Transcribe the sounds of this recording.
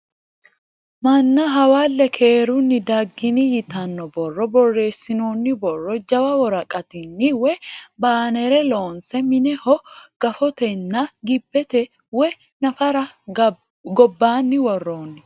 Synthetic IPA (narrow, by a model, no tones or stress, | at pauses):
mɐnːɐɦɐwaːlːɛkʰeːɾʊnːɪd̪ɐɡːɪnɪjɪt̪ɐnːɔbɔrːɔbɔrːe̞ːsːɪnoːnːɪbɔrːɔd͡ʒɐwɐwɔɾɐkʼɐt̪ɪnːɪwɛbaːnɛɾɛlo̞ːnsɛmɪnɛhɔɡ̥ɐfɔt̪ɛnːɐɡɪbːɛt̪ɛ | wɔ | nɐfɐɾɐ | ɡɔbːaːnːɪwɔrːoːnːɪ